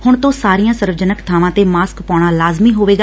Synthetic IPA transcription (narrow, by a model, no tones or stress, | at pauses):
hʊɳt̪õːsaːɾijãːsəɾʋəd͡ʒənəkt̪ʰaːʋãːt̪eːmaːskpaːɽ̃aːlaːzmiːɦoːʋeːɡaː